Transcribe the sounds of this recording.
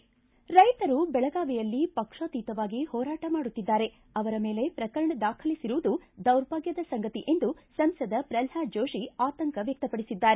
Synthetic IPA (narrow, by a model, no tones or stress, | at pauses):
ɾɐjt̪ɐɾubɛɭɐɡaːʋijɐlːipɐkʂɐt̪iːt̪ɐʋaːɡihɔːɾaːʈɐmaːɽut̪ːid̪ːaːɾe̞ | ɐʋɐɾɐme̞ːle̞pɾɐkɐɾɐɳɐd̪aːkʰɐlisiɾuʋud̪ud̪ɐwɾbʱaːɡjɐd̪ɐsɐŋɡɐt̪iʔe̞nd̪usɐmsɐd̪ɐpɾɐlhaːd͡ʒoːʂiaːt̪ɐŋkɐʋjɐk̚t̪ɐpɐɽisid̪ːaːɾe